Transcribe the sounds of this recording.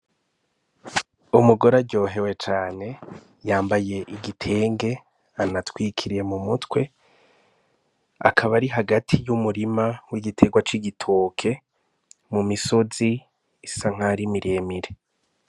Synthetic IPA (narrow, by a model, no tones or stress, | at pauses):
umuɡo̞ɾaɟo̞ːɦe̞we̞t͡ʃaːne̞ | jaːmbaje̞ʔiɡitʰe̞ːŋɡe̞ | anatwiːkʰiɾije̞mumutwe̞ | a̰kʰaβaɾiɦaɡatʰijumuɾimawiɡitʰe̞ɡwat͡ʃiɡitʰoːkʰe̞ | mumiso̞ziː | saŋ̥haɾimiɾeːmiɾe